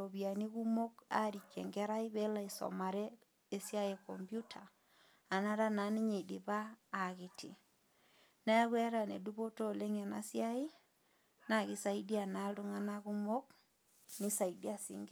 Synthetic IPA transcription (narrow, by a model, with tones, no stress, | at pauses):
o˨βi˨a˨ni˦ɣu˦mo˦ka̰˦ɾi˨kːɛ˨ŋɡɛ˦ɾa˦i˦βe˦la˦˨i˨sɔ̰˨ma˨ɾɛ˦ | e˦sja˦je˨kɔ˨mbju˦tʰaː˨ | na˦ɾa˦na˨˦ni˦ɲe˨de˨βaː˦˨ɣi˨tʰḭ˨ | na˦a˦ɣwɛ˦ɾa˨ne˨du˦βo˦to˦˨le˦ŋɛ˨na̰˦sja˦ɪ˦ | na˨ɣi˦sa˦i˦di˦a˨na˨˦lo˦ŋa˦na˦ɣu˦mo˦k̚ | ni˦sa˨i˨di˦a˦˨sḭ˨˦ŋɡ